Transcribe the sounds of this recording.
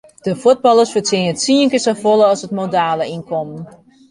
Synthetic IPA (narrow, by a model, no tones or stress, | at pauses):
d̥əfut̚bɑlˠəsfətsɪnəətsiəŋkəsəfolˠəɑsətmodaːləinkʰɔmn